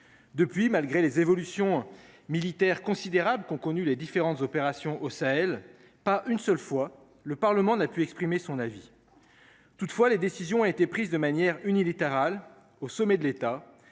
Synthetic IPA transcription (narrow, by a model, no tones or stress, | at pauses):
d̪əpɥimalɡʁelezevɔlysjɔ̃milit̪ɛʁkɔ̃sid̪eʁabləkɔ̃kɔnyled̪ifeʁɑ̃t̪zɔpeʁasjɔ̃ʔosaɛl | paʔynsœlfwa | ləpaʁləmɑ̃napyɛkspχimesɔ̃navi | t̪ut̪fwaled̪esizjɔ̃ɔ̃et̪epχizd̪əmanjɛʁynilit̪eʁal | osɔmɛd̪əlet̪a